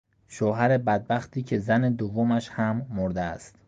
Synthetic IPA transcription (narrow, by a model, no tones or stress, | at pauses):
ʃoːɦæɾe̞bæd̪̚bæxt̪ʰiːcʰe̞zæne̞d̪ovːomæʃhæmːoɾd̪eæ̰st̪